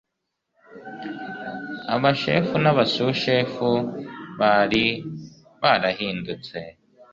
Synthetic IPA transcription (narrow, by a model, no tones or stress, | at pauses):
a̰βaʃe̞̰ːfunaβasuʃeːfuβaɾi | βaɾahɦiːndut͡se̞